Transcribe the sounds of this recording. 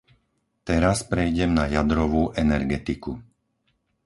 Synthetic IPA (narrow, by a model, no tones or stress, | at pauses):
t̪ɛɾaspɾɛjɟɛmnajad̪ɾɔʋuːʔɛnɛɾɡɛt̪iku